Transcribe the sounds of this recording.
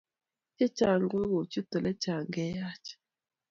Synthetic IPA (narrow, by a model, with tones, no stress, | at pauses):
t͡ʃɛ˦t͡ʃa˨ŋɡu˦ɣu˨t͡ʃi˦tɔ˨lɛ˦t͡ʃa˨ŋɡɛ˦ja˦t͡ʃɛ̥˨